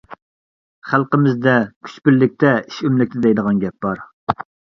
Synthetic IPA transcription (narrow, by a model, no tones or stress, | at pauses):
χælˠqəmɪzd̪ɛkʲʰy̥t͡ʃpɪɾːɪk̚ʲt̪ʰɛi̥ʃymlɪk̚ʲt̪ʰɪd̪ɛjd̪əʁɑnɡʲɛp̚b̥ɑɾ